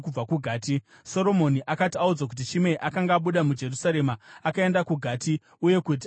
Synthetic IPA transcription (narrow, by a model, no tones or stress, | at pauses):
kub͡vakuɡʱaːti | so̞ɾo̞mo̞niʔakatiaud͡zak̬ut̬it͡ʃime̞ʔakaŋɡaːɓuɗamud͡ʒe̞rusaɾe̞maːkae̞ndakuɡʱaːti | uje̞kut̬i